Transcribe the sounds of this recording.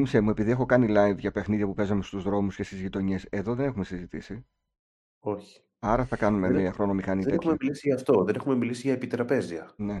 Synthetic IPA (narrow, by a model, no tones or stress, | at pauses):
misemue̞piðiexo̞kɐnilɐjvʝɐpe̞xniðʝɐpupe̞zɐme̞st̪uzðɾo̞musce̞st̪izʝit̪o̞ɲise̞ðo̞ðe̞ne̞xume̞sizit̪isi | o̞çi̥ | ɐɾɐθɐkɐnumemiɐxɾo̞no̞mixɐniɐexumemilisiʝɐːft̪oðe̞ne̞xume̞milisiʝɐepit̪ɾɐpe̞ziɐne̞